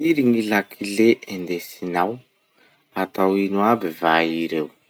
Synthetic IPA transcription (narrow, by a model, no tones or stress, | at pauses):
iɾiŋilakʰileʔend̪esinaw | at̪awinuabivaiɾew